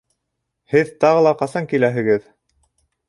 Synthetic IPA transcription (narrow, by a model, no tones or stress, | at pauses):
hɘðt̪ɑʁɤ̆lˠɑqɑsɑŋkilæɦɘ̆ɡɘð